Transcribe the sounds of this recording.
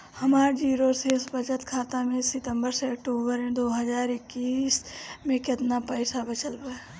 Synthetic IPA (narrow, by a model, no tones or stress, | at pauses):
həmaːɾd͡ʒiːɾoseːsbət͡ʃət̪kʰaːt̪amẽsɪt̪ə̃mbəɾseək̚ʈoːbəɾmẽd̪oːɦəd͡ʒaːɾɪkːiːsmẽkɪt̪napəɪsabət͡ʃəlba